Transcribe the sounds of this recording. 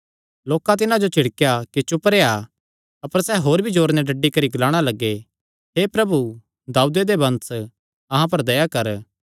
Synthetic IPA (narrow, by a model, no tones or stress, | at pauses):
loːkãt̪̬ɪnãd͡ʒot͡ʃɪɽkejakit͡ʃʊpɾeːa | ɐpəɾsɛɦoːɾbʱid͡ʒoːɾnɛɖɐɖːikɐɾiɡɐlaːɽ̃alɐɡːe | ɦepɾɐbu | d̪aːud̪ed̪ebɐ̃ns | ɐɦãp̬ɐɾd̪ɐjakɐɾ